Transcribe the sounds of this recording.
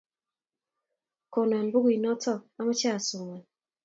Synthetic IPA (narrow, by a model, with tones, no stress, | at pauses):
ko˨no˨a˨mbu˦ɡi˨nɔ˦tɔ˦˨a˦mɔ˦t͡ʃa˦a˨sʊ˨ŋɛ˨